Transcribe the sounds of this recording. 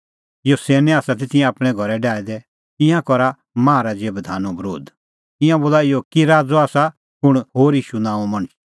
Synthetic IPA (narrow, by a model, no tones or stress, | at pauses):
ɪjosɛːnɛaːsat̪̬et̪ɪjɛ̃aːpɽ̃ɛ̃ɡʱɔɾɛɖaːɛd̪ɛ | ɪ̃jãkɔɾa | mãːɾad͡zeːbd̪ʱaːnũbɾo̰ːd̪ | ɪ̃jãboːlaɪjokiɾaːd͡zɔaːsa | pʊɽ̃ɦoːɾiːʃunãːũmɐɽ̃ət͡ʃ